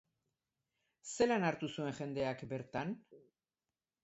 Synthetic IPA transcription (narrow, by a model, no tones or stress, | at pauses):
se̞lanaɾt̪usue̞ŋʝe̞nd̪e̞akbe̞ɾt̪an